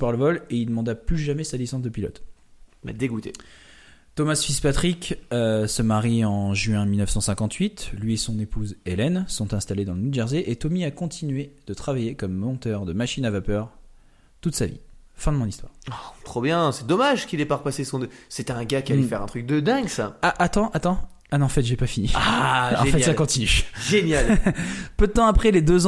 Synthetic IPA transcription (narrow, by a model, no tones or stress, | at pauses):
paʁləvɔleild̪əmɑ̃d̪aplyʒamɛsalisɑ̃sd̪əpilɔ̰t̪mɛ̰d̪eɡut̪ḛ | t̪ɔmasfispat̪χikʲøsəmaʁiɑ̃ʒɥɛ̃milnəfsɑ̃sɛ̃kɑ̃t̪ɥit̪lɥiesɔ̃nepuzelɛnsɔ̃t̪ɛ̃st̪aled̪ɑ̃lənud͡ʒɛʁzeʔet̪ɔmiakɔ̃t̪ʰinɥed̪̥ət̪χavajekɔmːɑ̃t̪œʁd̪əmaʃinavapœʁ | t̪ut̪savḭfɛ̃d̪əmɔ̃nist̪wa̰ːʁat̪χobjɛ̃sɛd̪ɔmaʒkilɛpaʁpasesɔ̃nøset̪ɛɛ̃ɡakʲialɛfɛʁɛ̃t̪χyk̚d̪əd̪ɛ̃ɡsaaʔat̪ɑ̃ʔat̪ɑ̃ | anɔ̃fɛt̪ʒɛpafiniaɑ̃fɛt̪sakɔ̃t̪inyʒenjalpød̪ət̪ɑ̃apχɛled̪øz̃